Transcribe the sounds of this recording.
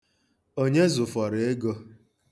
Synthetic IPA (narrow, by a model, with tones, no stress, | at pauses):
o˦ɲe˦zʊ˨fɔ˨ɾe˨e˦ɡo˦